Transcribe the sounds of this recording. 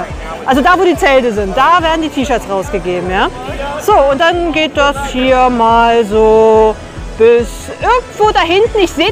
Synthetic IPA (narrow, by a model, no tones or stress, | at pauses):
ʔalzodaːvoːɾiːt͡sɛltəzɪnt̚d̥aːveːɐdn̩diːtʰiːʃœɐsʁaʊsɡ̥əɡeːbm̩jaːz̥oːʊnt̚d̥anɡeːt̚d̥ashiːɐmaːlzoː | b̥ɪs | ʔɪɐɡŋ̩tv̥oːdaɦɪntn̩ɪçz̥eː